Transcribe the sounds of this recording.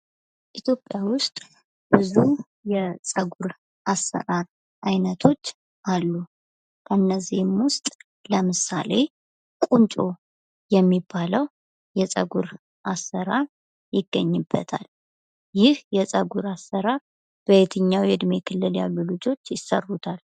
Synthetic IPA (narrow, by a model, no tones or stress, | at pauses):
ʔit̪ʰjo̞pʼːjawʊst̪ʼ | b̥ɨzu | jɛsʼəɡuɾ | ʔasːə̰ɾaɾ | ʔajnət̪ʰo̞t͡ʃː | ʔalːu | kʰənːəzihmwʊst̪ʼ | ləmɨsa̰le̞ | kʼunt͡ʃʼo̞ | jɛmːibːaləw | jɛsʼə̰ɡuɾ | ʔasːəɾaɾ | jɪɡːəɲːɨbːə̰t̪ʰa̰l | jɪhjɛsʼəɡuɾasːəɾaɾ | b̥əjet̪ʰɨɲːawjɨd̪mekʰɨlːɨlja̰lːulɨd͡ʒo̞t͡ʃːjɪsːə̰rːut̪ʰal